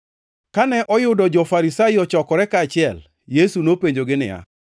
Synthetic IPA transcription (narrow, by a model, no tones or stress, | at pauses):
kanɛʔɔjʊdɔd͡ʒɔfaɾisaɪɔt͡ʃɔkɔɾɛkaːt͡ʃɪɛl | jesunopeɲd͡ʒoɡɪnɪ̰ja̰